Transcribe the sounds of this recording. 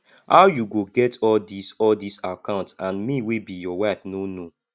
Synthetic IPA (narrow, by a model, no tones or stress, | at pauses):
haʊwjuɡoɡɛtʰɔldisɔldisakãʊ̃ntãnmiwibijɔwaɪfnono